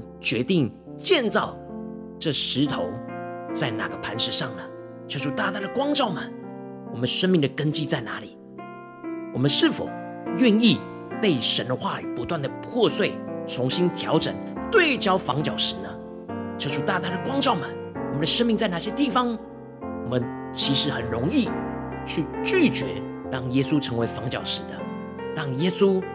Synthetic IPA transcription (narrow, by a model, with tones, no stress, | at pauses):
t͡ɕɥɛ˧˥t̪i˥˩ŋ | t͡ɕjɛ˥˧nt͡sɑ˥˩˧ʊ | ʈ͡ʂɤ˥˩ʂɻ̩˧˥t̪ʰo˧˥ʊt͡sa˥˩ɪna˨˩ɡə˦pʰa˧˥nʂɻ̩˥˧ʂɑ˥˩ŋə˨˩ | t͡ɕʰjo˧˥ʊʈ͡ʂʰu˧˥t̪a˥˧t̪a˥˩d̪ə˨kwɑ˥ŋʈ͡ʂɑ˥˩ʊmə˨˩n | wɔ˨˩mə˦nʂə˥nmi˥˩d̪ə˩kə˥nt͡ɕi˥˧t͡sa˥˩ɪna˧˥li˨˩˦ | wɔ˨˩mə˦nʂɻ̩˥˩fo̰˨˩ʊ | ɥɛ˥˧ni˥˧ | pe˥˩ɪʂə˧˥nd̪ə˧xwa˥˩˨pu˧˥t̪wa˥˩nd̪ə˩pʰwɔ˥˧swe˥˩ɪʈ͡ʂʰʊ˧˥ŋɕi˥nt̪ʰjɑ˧˥ʊʈ͡ʂə̰˨˩ŋ | t̪we˥˩ɪt͡ɕjɑ˥ʊfɑ˧˥ŋt͡ɕjɑ˨˩ʊʂɻ̩˧˥nə˧ | t͡ɕjo˧˥ʊʈ͡ʂʰu˧˥˩t̪a˥˧t̪a˥˩d̪ə˨˩kwɑ˥ŋʈ͡ʂɑ˥˩ʊmə˨˩˦nwmə˨˦nd̪ə˧ʂə˥nmi˥˧ŋt͡sa˥˧ɪna˥˩ɕjɛ˥t̪i˥˩fɑ˦ŋ | wɔ˨˩mə˦n | t͡ɕʰi˧˥ʂɻ̩˧˥xə˨˩nɻʊ˧˥ŋi˥˧ | t͡ɕʰy˥˧t͡ɕy˥˩t͡ɕɥɛ̰˧˥˦ɻɑ˥˩ŋjɛ˥su˥ʈ͡ʂʰɤ˧˥ŋwe˧˥ɪfɑ˧˥ŋt͡ɕjɑ˨˩ʊʂɻ̩˧˥d̪ə˧ | ɻɑ˥˩ŋjɛ˥su˥